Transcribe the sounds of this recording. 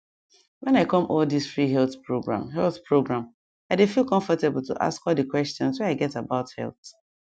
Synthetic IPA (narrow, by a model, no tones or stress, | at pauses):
wɛ̃naɪkɔ̃mʔɔldisfɹiɦɛlθpɹoɡɹã̰mɦɛlθpɹoɡɹãm | aɪdefilˠkɔ̃ɱfɔtebl̩tʰṵʔa̰skɔlˠdəkwɛstjɔ̃nswɛ̃naɪɡɛtabaʊthɛ̰lˠθ